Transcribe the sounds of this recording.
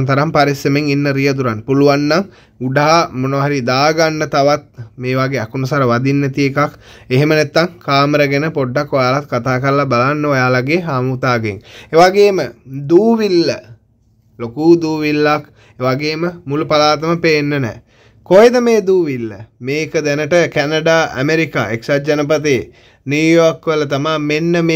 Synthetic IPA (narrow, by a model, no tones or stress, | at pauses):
nt̪ɐɾampaɾisjəmeŋinːəɾijət̪uɾanpuluʋanːaŋ | uɖaɦamonoːɦaɾid̪aːɡanːət̪aʋat̪̚meːʋaɡeːɛkunusaɾəʋad̪inːet̪ijekak | eɦemənæt̪ːaŋkaːməɾəɡenəpoɖːakʋojaːlat̪̚kat̪aːkəɾəlabalanːəʋajaːlaɡeːɦaːmut̪aːɡḛŋeʋaɡeːməd̪uːʋilːə | lokuːd̪uːʋilːak | eʋaɡeːməmulupalaːt̪əməpenːənɛ̰ː | kojed̪əmeːd̪uːʋilːəmeːkəd̪ænəʈəkænəɖaːʔæ̰meɾika̰ːeksad͡ʒanəpət̪̬eː | niujorkːʋələt̪amaːmenːəme